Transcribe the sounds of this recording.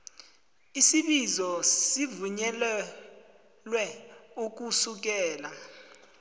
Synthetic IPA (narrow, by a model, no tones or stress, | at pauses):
isiɓizɔsivuɲɛlɛ | lwɛuk̬usuk̬ɛːla